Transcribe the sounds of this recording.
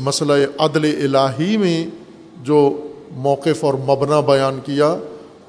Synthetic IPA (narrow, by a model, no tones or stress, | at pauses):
mɐslaeʔɐd̪leʔɪlaːɦimẽ | d͡ʒoːmɔːqɪfɔːɾmɐbnabɐjaːnkija